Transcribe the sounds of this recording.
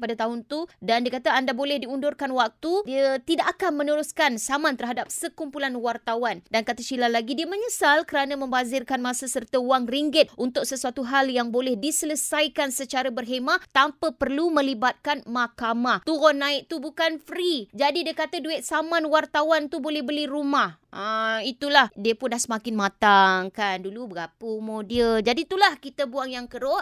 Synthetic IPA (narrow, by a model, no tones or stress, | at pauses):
padat̪aɦʊnt̪udandiəkat̪aandabolɛhdiundʊrkanwak̚t̪udiət̪idaʔakanmə̃nəɾuskansamãnt̪ərɦadap̚səkumpulanwart̪awandankat̪at͡ʃilalaɡidiəmə̃ɲəsalkəɾanãmə̃mbazɪrkanmãsasərt̪auaŋriŋɡɪt̪̚unt̪ʊk̚səsuat̪uɦaljaŋbolɛhdisələsajkansət͡ʃaɾabərɦemaʔʔt̪ampapərlumə̃libat̪̚kanmakamaht̪uɣɔnːãɪk̚t̪ubukanfɾid͡ʒadidiəkat̪aduɪʔ̪̚samãnwart̪awant̪ubolɛhbəlirumahʔəit̪ulahdiəpʊndahsəmakɪnmãt̪aŋkandulubəɡapəmodiəd͡ʒadit̪ulahkit̪abuaŋjaŋkəɾɔ